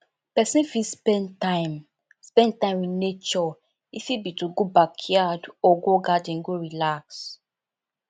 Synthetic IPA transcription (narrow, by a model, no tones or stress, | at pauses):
pɛsĩnfispɛ̃ntãɪm | spɛ̃ntãɪ̃minet͡ʃɔ | ifibituɡobakʰjadɔɡoɡadĩŋɡoɹilaks